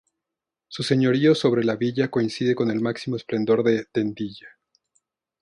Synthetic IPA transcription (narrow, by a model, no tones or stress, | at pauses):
suse̞ɲo̞ɾio̞so̞β̞ɾe̞laβiʝako̞insiðe̞ko̞ne̞lmaksimo̞esple̞nd̪o̞ɾðe̞t̪e̞nd̪iʝa